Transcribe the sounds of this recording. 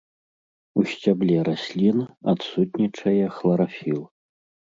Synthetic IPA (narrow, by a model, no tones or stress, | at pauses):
usʲt͡sʲablʲɛɾasʲlʲinaat̪sut̪ʲnʲit͡ʂɐjɐxlˠɐɾafʲilˠ